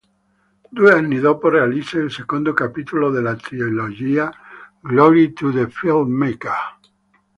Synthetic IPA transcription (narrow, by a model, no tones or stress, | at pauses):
d̪ueaniðoporealiseːlseɣũnd̪okapit̪uloðelat̪ɾioloʝia | ɡloɾit̪uðefild̪meka